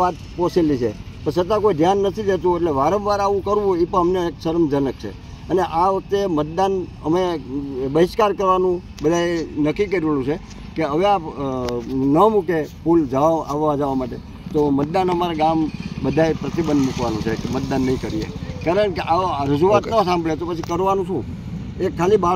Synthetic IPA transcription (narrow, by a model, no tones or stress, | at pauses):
at̪̚poselit͡ʃʰepəɾsət̪ːãkoid̪ʱjanːət̪ʰid̪et̪ũeʈleʋaɾəʋʋaɾaʋũkəɾʋũipəəmneːksəɾəmd͡ʒənək̚t͡ʃʰḛ | əneʔaʋək̚t̪emət̪̚d̪anəmebəɦɪskaɾkəɾʋanũ | bəd̪ʱaenəkikəɾiʋalũt͡ʃʰe | keəʋea | nəmũkepuld͡ʒəʋaʋa̰ʋːʋad͡ʒəʋamaʈe | t̪omət̪̚d̪anəmaɾaɡambəd̪ʱajpɾət̪ibənd̪mukʋanũt͡ʃʰekmət̪̚d̪anːəɦĩkəɾijḛkaɾəɳkeʔaɾəd͡ʒuat̪nə̃sãmbɭet̪opət͡ʃʰikəɾʋanũʃũ | ekʰaliba